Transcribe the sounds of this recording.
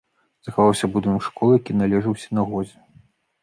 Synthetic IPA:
z̥ɐxavawsʲɐbud̪ɨnkʂkɔlˠɨjakʲinalʲɛʐɨwsʲɐnɐɣɔzʲɛ

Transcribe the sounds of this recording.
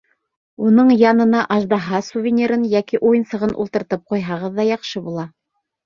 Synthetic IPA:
unɤɴjɑnɤ̆nɑʔɑʒd̪ɑɦɑsuvʲɪnʲiɾɤnjækiʔujɤnsɤ̆ʁɤnʔṵlˠt̪ɤ̆ɾt̪ɤp̚qujɦɑʁɤðːɑjɑqʃɤbulˠɑ

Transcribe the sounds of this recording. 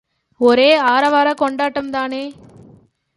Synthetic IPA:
ɔɾeːaːɾɐʋaːɾɐkɔɳɖaːʈːɐmt̪aːneː

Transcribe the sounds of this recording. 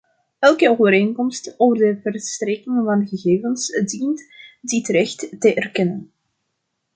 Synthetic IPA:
ɛlˠkəoːvəɾeːŋkɔmstoːvərdəvərstrekɪŋvɑnɣəɣeːvənsdintditrɛxtːəʔɛrkɛnən

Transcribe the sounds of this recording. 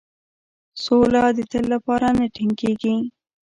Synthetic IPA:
solad̪ət̪əlːapɑɾanaʈiŋkeɡi

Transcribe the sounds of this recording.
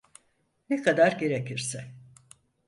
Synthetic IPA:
nekʰad̪aɾɟe̞ɾecʰiɾsɛ

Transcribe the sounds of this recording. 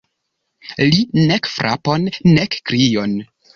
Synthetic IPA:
linekfɾʔa̰ponːekːɾijon

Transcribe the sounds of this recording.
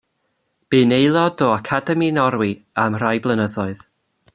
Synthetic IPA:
b̥ɨːnejlˠɔdɔakʰadɛminɔɾwiamrajblˠənəðɔɨð

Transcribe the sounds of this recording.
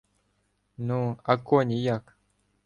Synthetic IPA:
nuakonʲijak

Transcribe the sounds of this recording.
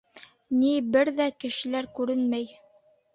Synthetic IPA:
nibɘɾðækɘ̆ʃɘ̆læɾkʉɾɘnmæj

